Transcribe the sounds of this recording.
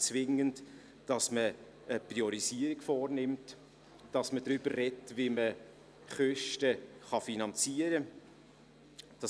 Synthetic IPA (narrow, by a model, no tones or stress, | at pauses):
t͡svɪŋənt | d̥ɑsmə | əpriɔɾisiːəɾiɡfɔːrnɪmt | d̥ɑsmədɾʏbərːɛtvimə | χœʃtəχɑfinɑnt͡siːəɾə | d̥ɑ